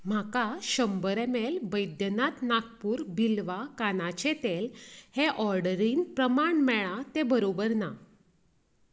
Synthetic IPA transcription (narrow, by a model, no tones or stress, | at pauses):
m̤akaɕəmbəɾemelbəjd̪jənat̪nak̚puːɾbilʋakanat͡ɕet̪elheʔɔɾɖəɾiːnpɾəmaɳmɛɭat̪ebəɾobəɾna